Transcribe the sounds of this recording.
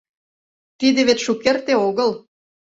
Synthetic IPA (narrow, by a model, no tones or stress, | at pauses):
t̪id̪ĕβet̪ʃukːert̪eoɣəl